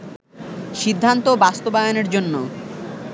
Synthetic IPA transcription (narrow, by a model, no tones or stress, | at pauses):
ʃid̪ʱːant̪obast̪obajoneɾd͡ʑonːo